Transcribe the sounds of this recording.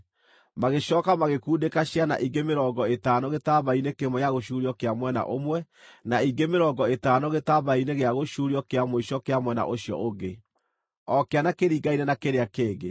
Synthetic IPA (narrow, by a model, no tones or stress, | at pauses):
maɣeʃɔːkamaɣekuːdekaɕjana̰ʔiɡemeɾɔɡɔetaːnɔɣetaβainekemɔjaɣoʃuɾiɔkeamwɛna̰ʔomwɛ | naiɡemeɾɔɡɔetaːnɔɣetaβaineɣeaɣoʃuɾiɔkeamoiʃɔkeamwɛna̰ʔoɕjɔ̰ʔoɡe | ɔkeanakeɾiːɡainɛnakeɾeakeːɣe